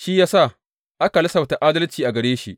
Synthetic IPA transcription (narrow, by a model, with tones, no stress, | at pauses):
ʃi˦jaː˦sa˦˨ | ʔa˦ka˨lɐ˦sɐ˨wta˨ʔaː˦dɐ˦lt͡ʃiː˨ʔa˨ɡɐ˨ɽeː˦ʃḭ˦ʔ